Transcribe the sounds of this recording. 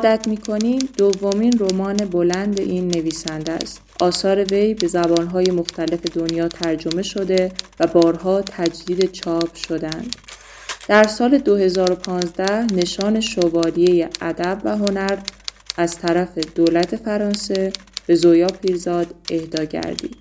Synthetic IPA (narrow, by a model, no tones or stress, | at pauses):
ɒːd̪æt̪ʰmiːkʰo̞niːmd̪̥ovːo̞miːnromɒːne̞bo̞lænd̪e̞̰ʔiːnːe̞viːsænd̪æ̰st̪ʔɒːsɒːɾe̞ve̞jbe̞zæbɒːnɦɒːje̞moxt̪ʰæle̞fe̞d̪o̞njɒːt̪ʰæɾd͡ʒo̞me̞ʃo̞d̪e̞væbɒːɾɦɒːt̪ʰæd͡ʒd̪iːd̪e̞t͡ʃʰɒːb̥ʃo̞d̪æænd̪̥ | d̪̥æɾsɒːle̞d̪ohe̞zɒːɾo̞pʰɒːnzd̪æhne̞ʃɒːne̞ʃovɒːlije̞jeʔæd̪æbvæɦo̞næɾ | æz̥t̪ʰæɾæfe̞d̪̥oːlæt̪ʰe̞fæɾɒːnse̞ | b̥e̞zojɒːpʰiːɾzɒːd̪e̞hd̪ɒːɟæ̰ɾd̪ḭːd̪̥